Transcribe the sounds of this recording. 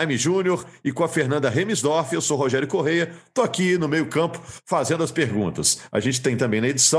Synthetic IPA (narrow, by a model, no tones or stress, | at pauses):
miʒũnioɾɪkõɐfeɾnɐ̃nd̪ɐɦẽmizd̪ɔɾfiewsowɦoʒɛɾʊkoɦejɐt̪oakinʊmejʊkɐ̃pʊ̥fazẽnd̪ʊɐspeɾɡṵ̃t̪ɐsa̰ʒẽnt͡ʃɪt̪ẽj̃t̪ɐ̃bẽj̃nɐed͡ʒisɐ̃w̃